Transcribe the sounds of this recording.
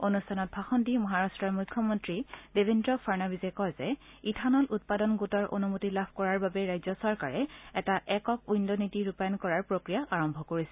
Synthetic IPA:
onustʰanɔt̚bʱaxɔndimɔɦaɹastɹɔɹmukʰːjɔmɔntɹidebʱendɹɔfʰaɹnabizɛkɔjzɛ | itʰanɔlʔut̚padɔnɡutɔɹʔo̰numutilabʰʱkɔɹaɹbabɛɹajzɔsɔɹkaɹɛɛtaʔɛkɔk̚ujndɔnitiɹupajɔnkɔɹaɹpɹokɹijaʔaɹɔmbʱɔkoɹisɛ

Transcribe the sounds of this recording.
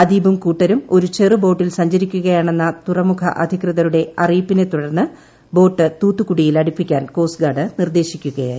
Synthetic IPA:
ɐd̪iːbumkuːʈːɐɾumo̞ɾut͡ɕerɨbo̞ːʈːilsɐɲd͡ʑɐɾikʲːuɣɐjaːɳe̞nːɐt̪urɐmukʰɐ̰ʔɐd̪ʱikrɨðɐɾuɽe̞ɐriːpːine̞t̪uɽɐrnːɨ | bo̞ːʈːɨt̪uːt̪ːukuɽijilɐɽipːikʲːaːnko̞ːsɡaːɽɨnird̪e̞ːɕikʲːuɣɐja̰ː

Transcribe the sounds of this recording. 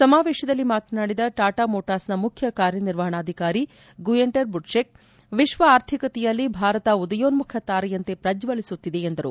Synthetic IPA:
sɐmaːʋɛːʃɐd̪ɐlːimaːt̪ɐnaːɽid̪ɐʈaːʈaːmoːʈaːsnɐmukʰjɐkaːɾjɐniɾʋɐɦɐɳaːd̪ʱikaːɾi | ɡujeɳʈɐɾbuɖʃek̚ | ʋiʃʋɐaːɾt̪ʰikɐt̪ɛjɐlːibʱaːɾɐt̪ɐud̪ɐjoːnmukʰjɐt̪aːɾɐjɐnt̪e̞pɾɐd͡ʒʋɐlisut̪ːid̪e̞end̪ɐɾṵ

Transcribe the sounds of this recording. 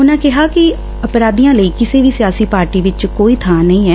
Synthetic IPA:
ʊnãːkɪɦaːkɪ | əpɾaːd̪iːjãːləiːkɪseːʋiːsɪjaːsiːpaːɾʈiːʋɪt͡ʃkoːiːt̪ʰãːnəĩːɦɛː

